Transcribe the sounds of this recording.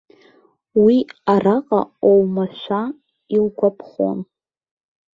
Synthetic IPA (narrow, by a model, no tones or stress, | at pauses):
wiaraqʼa̰owmaʃʷa | ilɡʷapʰχo̰n